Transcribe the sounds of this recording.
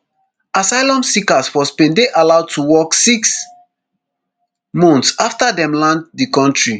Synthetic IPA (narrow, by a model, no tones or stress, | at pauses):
asaɪlɔ̃msikasfɔspẽndeʔalaʊd̚tʰuwɔksiks | mɔ̃ntsaftadɛ̃mlãnd̚dikɔ̃ntɹi